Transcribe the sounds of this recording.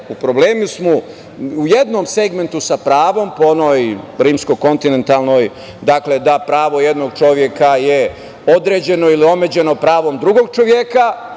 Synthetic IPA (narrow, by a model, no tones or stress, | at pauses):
upɾo̞bleːmusmu | uje̞d̪no̞mse̞ɡme̞nt̪usapɾaːʋo̞mpoono̞jɾiːmsko̞ko̞nt̪ine̞nt̪alˠno̞j | d̪akle̞d̪apɾaːʋo̞jed̪noɡt͡ʃo̞ʋje̞kaje̞ | o̞d̪ɾe̞ːd͡ʑe̞no̞ilio̞med͡ʑe̞no̞pɾaːʋo̞md̪ɾuɡo̞ɡ̚t͡ʃo̞ʋje̞ka